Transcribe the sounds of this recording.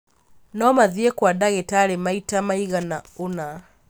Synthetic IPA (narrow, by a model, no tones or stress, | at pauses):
nɔmaðiɛkwaɗaɣɛtalɛmaitamaiɣanauna